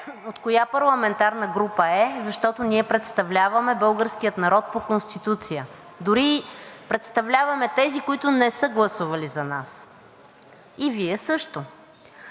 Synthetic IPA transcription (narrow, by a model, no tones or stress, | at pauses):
ot̪kojapɐɾlˠɐmɛnt̪aɾnəɡɾupəɛzɐʃt̪ɔt̪oniɛpɾɛt̪st̪ɐvlʲavɐmɛbɤlˠɡəɾskijət̪nɐɾɔt̪̚pokonst̪it̪ut̪sijə | d̪ʊɾipɾɛt̪st̪ɐvlʲavɐmɛt̪ɛzikoit̪ʊnɛsɤɡlˠɐsuvɐlizɐnas | iviɛsɤʃt̪o